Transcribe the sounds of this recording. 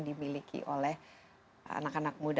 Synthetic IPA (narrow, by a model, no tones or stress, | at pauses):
ŋdimilikʰḭʔolɛh | a̰nakanak̚mud